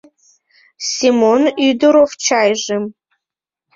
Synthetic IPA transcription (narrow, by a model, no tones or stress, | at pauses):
simonyd̪ɨɾoft͡ʃʰajʐɨm